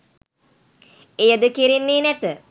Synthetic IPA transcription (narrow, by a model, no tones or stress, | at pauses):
ejəd̪əkiɾinːeːnæt̪ə